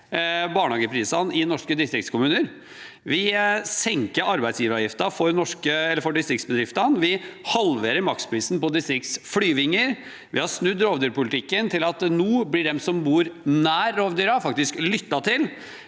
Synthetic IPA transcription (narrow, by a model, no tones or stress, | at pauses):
bɑːɳhɑːɡəpʰɾiːsɑnɪnɔʂkəd̪ɪst̪ɾɪkt̪skʰʊmʉːnəɾ | ʋɪsɛŋkəɾɑɾbæɪsjiːʋəɾɑjɪft̪ɑfɔɾnɔʂkəɛlːəɾfɔɖɪst̪ɾɪktsbəd̪ɾɪft̪ɑnʋɪhɑlʋeːɾəɾmɑk̚t̪spʰɾiːsnpɔd̪ɪst̪ɾɪk̚t̪sflyːʋɪŋːəɾ | ʋɪhɑɾsnʉd̪ɾoːʋd̪yːɾpʊlt̪ʰɪkːənt̪ʰɪlɑt̪nuːblɪɖɛmsɔmbuːɾnæːɾːoːʋd̪yːɾɑfɑk̚t̪ɪsklʏt̪ːɑt̪ʰɪl